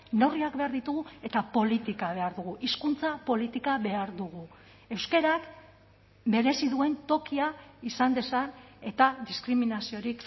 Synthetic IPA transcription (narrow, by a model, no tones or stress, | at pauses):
noriakbe̞aɾðit̪uɣue̞t̪apo̞lit̪ikaβ̞e̞aɾðuɣ̞uʔiskunt͡sapo̞lit̪ikaβe̞aɾðuɣ̞u | e̞wske̞ɾak | be̞ɾe̞siðue̞nt̪o̞kiaisand̪e̞saɾe̞t̪ad̪iskɾiminasio̞ɾik